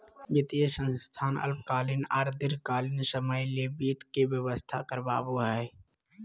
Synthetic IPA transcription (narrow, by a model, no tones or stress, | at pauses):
bɪt̪ijəsə̃nst̪ʰaːnə̰lp̚kaːlina̰ːɾd̪ɪɾkaːlɪnsəməjlebiːt̪kebjəwəst̪ʰakəɾba̰ːboɦɛː